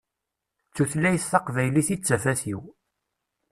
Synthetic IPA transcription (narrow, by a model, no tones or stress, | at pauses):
t͡sːuθlːæjəθθɑqvæjliθit͡sːæfæθiw